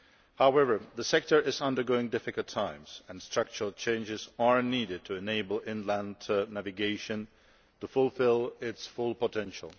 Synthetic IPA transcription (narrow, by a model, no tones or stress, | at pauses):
haʊɛvə˞ðəsɛk̚tə˞ɪzʌ̃ndə˞ɡoʊɪ̃ŋdɪfɨkəl̩ˠtʰãɪ̃mz̥ɨ̃nstɹ̥ʌk̚t͡ʃəɹl̩ˠt͡ʃʰẽɪ̃nd͡ʒɪzə˞niɾɨd̚tʰɨɨneɪbl̩ˠɪ̃nlæ̃nʰnævɨɡeɪʃɨ̃n | təfʊlˠfɪlˠɪtsfʊlˠpətʰɛ̃nʃl̩ˠ